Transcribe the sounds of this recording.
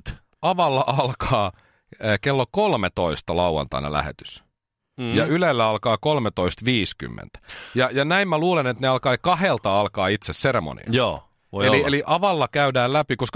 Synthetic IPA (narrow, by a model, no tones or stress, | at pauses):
ɑʋɑlːɑʔɑlkʰɑː | kelːokolmet̪oist̪ɑlɑuwɑ̰nt̪ɑ̰inɑ̰læ̰hḛt̪y̥s | jɑylelːæɑlkɑːkolmet̪oist̪ʋiːsky̰mːḛnt̪æ̥jɑjɑnæimmæluːlenet̪neɑlkɑːkɑhelt̪ɑɑlkɑːit̪sesseɾemo̰nḭjoː | ʋoielieliʔɑʋɑlːɑkæydæːllæpikosk